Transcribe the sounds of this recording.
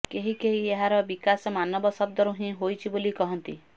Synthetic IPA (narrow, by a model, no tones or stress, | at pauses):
keɦikeɦieɦaɾɔbikasɔmanɔbɔsɔb̚d̪ɔɾuɦĩɦojt͡ʃʰibolikɔɦɔnt̪i